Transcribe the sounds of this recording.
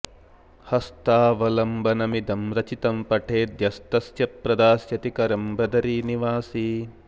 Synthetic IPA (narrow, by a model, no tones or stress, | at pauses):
hɐst̪aːʋɐlɐmbɐnɐmid̪ɐmɾɐt͡ʃit̪ɐmpɐʈʰeːd̪jɐst̪ɐsjɐpɾɐd̪aːsjɐt̪ikɐɾɐmbɐd̪ɐɾiːniʋaːsiː